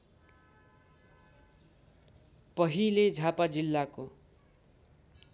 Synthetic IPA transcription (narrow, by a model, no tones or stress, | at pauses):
pʌɦiled͡zʱapad͡zilːako